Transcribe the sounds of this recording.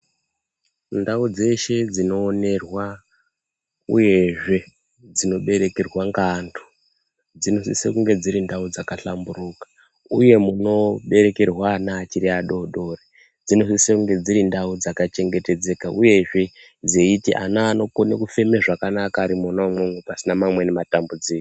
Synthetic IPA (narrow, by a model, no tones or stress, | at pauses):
ndaud͡ze̞ʃe̞d͡zino̞ːne̞rwa | ṵje̞ʐe̞ | d͡zino̞ɓe̞ɾe̞kerwaŋɡantʰo̥ | d͡zino̞sḭsḛkuŋɡe̞d͡ziɾindaud͡zakaɬambuɾuːkḁ | uje̞muno̞ɓe̞ɾe̞kerwanaːt͡ʃiɾiaɗo̞ɗo̞re | d͡zino̞sisekuŋɡe̞d͡ziɾindaud͡zakat͡ʃe̞ŋɡe̞te̞d͡ze̞kaʔuje̞ʐe̞ | d͡zeitiʔa̰naːno̞konḛkufe̞meʐakanakaːɾimonamoŋwepasinamamwe̞nematambud͡ziko̥